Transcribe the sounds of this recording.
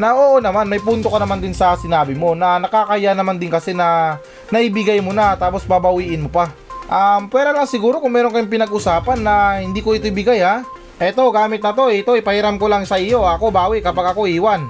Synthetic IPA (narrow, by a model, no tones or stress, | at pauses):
nɐʔoːʔonɐmanmɐjpuːnt̪o̞kɐnɐmand̪ɪnsɐsɪnaːbɪmo̞nɐnɐkakɐjanɐmand̪ɪnkɐsɛnɐ | nɐʔibɪɡajmonat̪aːpo̞sbɐbɐwiːʔɪnmo̞pa | ʔampwɛːɾɐlɐŋsɪɡuːɾo̞kʊŋmɛːɾonkɐjoŋpɪnɐɡʔʊsaːpɐnːɐhɪnd̪iːko̞ʔɪt̪ojbɪɡajha | ʔɛt̪o̞ɡaːmɪt̪nɐt̪o̞ɛɪt̪o̞ʔɪpɐhɪɾamko̞laŋsɐʔɪjo̞ɐko̞baːwɪʔkɐpaɡɐko̞ʔiːwan